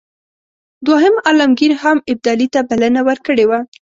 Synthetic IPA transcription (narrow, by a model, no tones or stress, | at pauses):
d̪waɦəmɑlamɡiɾhamɪb̚d̪ɑlit̪abalənawəɾkəɽewa